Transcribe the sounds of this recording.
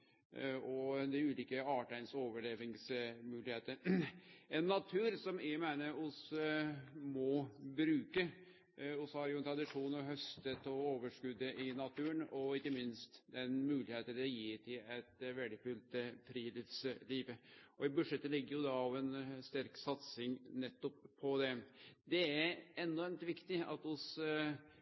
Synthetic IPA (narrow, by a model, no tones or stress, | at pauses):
ɔd̪ɛʉːliːkəɑːʈæɪnsoːʋəɭeːʋɪŋsmʉːlɪheːt̪əɾ | ɛnːɑt̪ʰʉːɾsɔmɪmæɪnəʊs | mɔbɾʉːkə | ʊshɑɾjʊɛnt̪ʰɾɑd̪ɪʂuːnɔɦœst̪ət̪ɔoːʋəʂkʉd̪ːəʔɪnɑt̪ʰʉːənɔɪkːəmɪnst̪d̪ɛnmʉːlɪheːt̪əd̪ɛjiːt̪ʰɪɛt̪ʋɛld̪ɪfʉːlt̪əfʰɾiːlɪfsliːʋəʔɔɪbʉʂɛt̪ːəlɪɡːəɾjʊd̪ɑɑʋɛnst̪æɾksɑt̪sɪŋnɛt̪ːɔpʰːɔd̪ɛd̪ɛæɾɛnːɔɾmt̪ʋɪkt̪ɪɑ̰t̪ʊs